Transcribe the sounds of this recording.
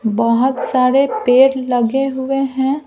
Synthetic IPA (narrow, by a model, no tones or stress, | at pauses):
bəɦʊt̪saːɾepeːɾlɐɡeɦʊeɦɛ̃ː